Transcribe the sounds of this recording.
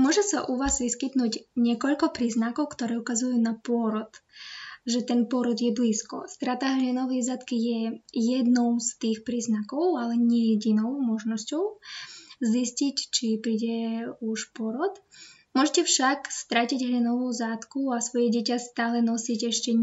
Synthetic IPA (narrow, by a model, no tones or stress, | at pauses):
mʊɔʒɛsaʔuʋaːzʋiskit̪nuːɟɲɪɛkɔʎkɔpɾiːznakɔʊkt̪ɔɾɛːukazujunapʊɔɾɔt̪ | ʒɛt̪ɛnpɔɾɔd̪jɛbliskɔ̰st̪ɾat̪aɦʎɛnɔʋɛjzaːt̪kijɛjɛd̪nɔʊst̪iːxpɾiːznakɔʊalɛɲɛjɛɟinɔʊmɔʒnɔscɔʊ | ziscict͡ʃipɾiːɟɛuʃpɔɾɔt̪ | mʊɔʒɛcɛfʃakst̪ɾaciɟɦʎɛnɔʋuːzat̪kuasʋɔjɛɟɛcast̪aːlɛnɔsicɛʃcɛ